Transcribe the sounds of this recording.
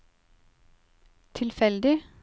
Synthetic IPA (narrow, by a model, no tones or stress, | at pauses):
t̪ʰɪlfɛld̪ɪ